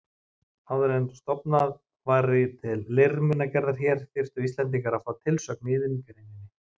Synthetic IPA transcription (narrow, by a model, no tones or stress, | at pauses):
hawðʏɾɛnst̪ɔpnað | vaɾɪt̪ʰɪlːermɪnːacɛɾðaɾ̥çɛɾ̥fɪr̥st̪ʏist̪lɛnt̪̬iŋkaɾafaːwt̪ʰɪlsœkniːðʏncɛɾinɪnːɪ